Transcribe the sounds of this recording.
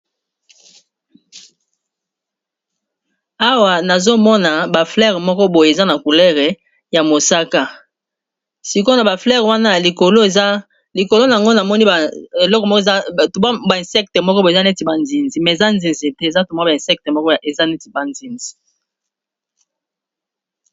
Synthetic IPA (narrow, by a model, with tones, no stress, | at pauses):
a˦wa˨na˨zo˦mɔ˦na˨ba˨flɛ˦ʁɛ˨mɔ˦kɔ˦bo˨je˨za˦na˨ku˨lɛ˦ʁɛ˨ | ja˨mo˨sa˦ka˦ | si˨ko˦na˨ba˨flɛ˦˨ʁwa˦na˦ja˨li˨ko˨lo˦˨˦ | li˨ko˨lo˦na˨a˨ŋɡo˦na˨mɔ˦ni˦e˨lɔ˦kɔ˨mɔ˦ktma˦ba˨ɛ̃˨nsɛ˦k̚tɛ˨mɔ˦kɔ˦bo˨e˨za˦ne˦ti˨ba˨nzi˨nzi˨mɛ˨e˨za˦nzi˨nze˨te˦e˨za˦to˨ma˦ba˨ɛ̃˨sɛ˦k̚te˨mɔ˦kɔ˦˨e˨za˦ne˦ti˨ba˨nzi˨nzi̥˨